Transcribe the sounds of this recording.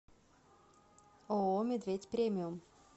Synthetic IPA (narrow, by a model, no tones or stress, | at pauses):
oomʲed̪vʲetʲpɾʲemʲɪʊm